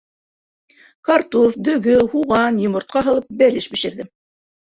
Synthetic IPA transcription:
kɑrt̪ufd̪ɵ̆ɡɵhuʁɑnjŏmŏɾt̪̚qɑɦɤ̆lˠɤp̚bælɘʃbiʃɘ̆ɾðɘ

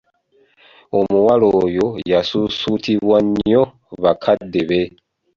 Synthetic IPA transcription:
omuwalojo̞jasusutiβwaɲo | βakʰadːeβe

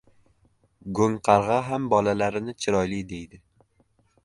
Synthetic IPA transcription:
ɡoŋqʰɑɾʁɑɦambɒlalaɾɪnɪt͡ʃʰɪɾɒjlɪd̪e̞jd̪ɪ

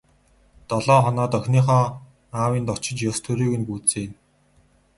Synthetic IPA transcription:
t̪ɔɮɔːχɔnɔːt̪œxʲniːχɔː | naːwiːnt̪ɔt͡ɕɪ̆t͡ɕjɔst̪ʰɵɾiːɣɘ̆npuːt͡seːn

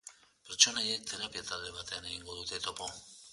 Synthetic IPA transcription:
peɾt͡ʃo̞najek̚t̪e̞ɾapiat̪ald̪e̞β̞at̪e̞ane̞ɣ̞iŋɡoðut̪e̞t̪o̞po

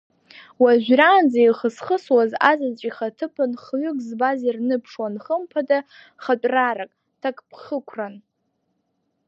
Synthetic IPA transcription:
waʒʷᶣraːnd͡zajχəsχəswazazat͡ʃʼiχatʰɨpʰɨnχɥʏkʼzbazirnɨpʰʂwanχəmpʰada | χat͡pʼraɾakʼ | tʰakʼpʰχəkʷʰran

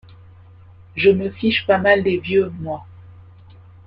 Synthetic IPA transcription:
ʒəməfiʃpamald̪evjømwa

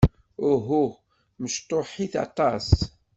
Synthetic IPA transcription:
ʊɦu | məʃt̪ˤoħiθɑ̰t̪ˤɑs

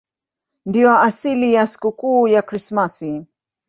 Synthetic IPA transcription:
ndiwaasilijaskukuːjakɾismasi

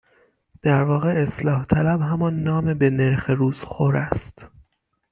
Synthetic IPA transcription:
d̪̥æɾvɒːɣe̞eslɒːht̪ʰælæbɦæmɒnːɒːmebene̞ɾxeɾuːz̥xoɾæst̪

